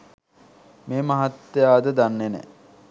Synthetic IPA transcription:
meːmɐɦat̪ːejaːd̪əd̪anːenɛ̰

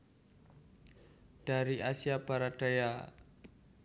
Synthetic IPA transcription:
d̥aɾiʔasiabaɾad̥aja

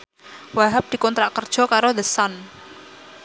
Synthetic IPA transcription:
waɦap̚d̪̥i̤kɔnt̪ɾaʔkərd̥ʒ̥ɔ̤kaɾod̪əsɔn

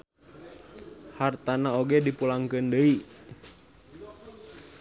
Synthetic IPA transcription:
hart̪anaoɡɛdipulaŋkəndəi

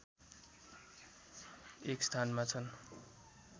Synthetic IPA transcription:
ekst̪ʰanmat͡sʰʌn

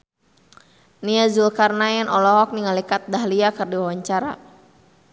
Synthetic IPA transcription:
niazulkarnajɛnʔɔlɔɦɔk̚niŋalikat̪̚daɦliakɨrdiwawaɲt͡ʃaɾa̰

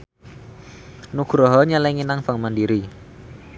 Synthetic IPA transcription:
nuɡ̥ɾɔɦɔɲalɛŋinaŋfaŋmandiɾi

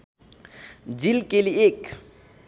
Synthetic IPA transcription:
d͡ʒilkʼeliek

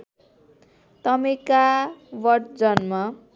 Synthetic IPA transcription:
t̪ʌmikawʌʈd͡zʌnma

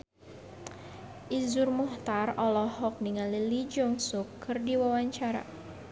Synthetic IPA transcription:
ʔizurmuht̪arɔlɔhɔk̚niŋalilid͡ʒɔŋsukːɨrdiwawaɲt͡ʃaɾa̰

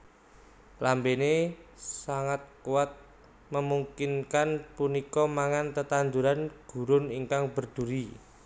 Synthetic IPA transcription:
lambenesaŋat̪̚kuwat̪̚ | məmuŋkɪnkanpunikɔmaŋant̪ət̪and̪uɾanɡ̥ṳɾʊniŋkaŋbə̤rd̪̥ṳɾi

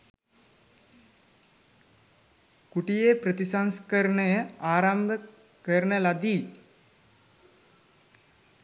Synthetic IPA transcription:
kuʈijeːpɾət̪isaŋskəɾəɳəjəaːɾambə | kəɾɳəlad̪iː

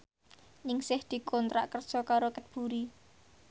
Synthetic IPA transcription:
ɲɪŋsɪhd̪̥i̤kʰɔnt̪ɾaʔkərd̥ʒ̥ɔkaɾokət̪̚b̥ṳɾi

